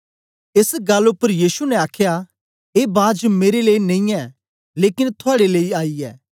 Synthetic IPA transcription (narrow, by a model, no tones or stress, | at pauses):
ɪsɡɐlːʊpːəɾjiːsunɛaːkʰja | eːbaːd͡ʒmeːɾeleːinɐ̃ĩɛ | leːkɪnt̪ʰʊaːɽeleːiaːiɛ̰ː